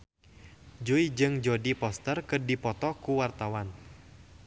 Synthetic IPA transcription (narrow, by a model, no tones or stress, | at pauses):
d͡ʒuid͡ʒɨŋd͡ʒɔdipɔst̪ərkɨrdipɔt̪ɔkuwart̪awan